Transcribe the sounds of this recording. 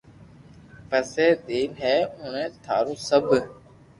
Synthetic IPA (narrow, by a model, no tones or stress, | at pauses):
pəseːd̪eːmɦɛːʊ̃nẽːt̪ʰa̰ːɾũːsəbʱ